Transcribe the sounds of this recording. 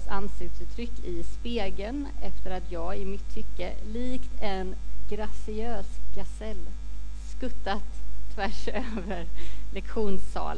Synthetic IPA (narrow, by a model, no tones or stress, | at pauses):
sansɪk̚t̪sʉːt̪ʰːɾʏkːɪspeːɡənɛft̪əɾat̪ʰjɑːɡɪmɪt̪ʰːʏkːəliːkt̪ɛnɡɾasɪøːsɡasɛlskɵt̪ːat̪ʰːvæʂøːvəɾlɛkɧuːnsːɑ̰ːl